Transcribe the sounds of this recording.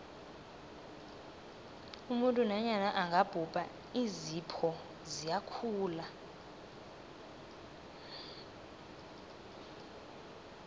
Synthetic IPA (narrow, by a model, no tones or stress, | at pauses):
umuntʼunaɲanaʔaŋɡʱab̥ʱub̥ʱʼa | izipʰɔ | zijakʰuːla